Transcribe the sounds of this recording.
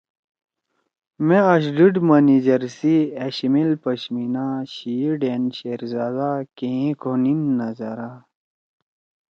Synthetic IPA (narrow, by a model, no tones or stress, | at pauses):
meɐɕ̬ɖiɖmɐnid͡ʑɐɾsieɕimilpɐɕminaɕiɖenɕeːɾzaːd̪akeĩkʰoninːɐzɐɾa